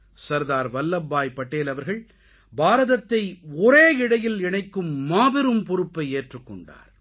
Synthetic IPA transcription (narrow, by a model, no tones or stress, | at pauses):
sɐɾðaːɾʋɐlːɐbːaːjpɐʈːeːlɐʋɐɾɣɐɭ | baːɾɐðɐt̪ːɐɪɔɾeːɪɽɐjɪlɪɳɐɪkːɯmːaːʋɪɾɯmpʊɾɯpːɐɪeːʈrɯkːɔɳɖa̰ːɾ